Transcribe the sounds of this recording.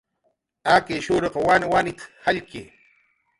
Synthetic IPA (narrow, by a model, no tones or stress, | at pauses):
akeʃʊɾɑqɑwanɪwanɪt̪haʎkeː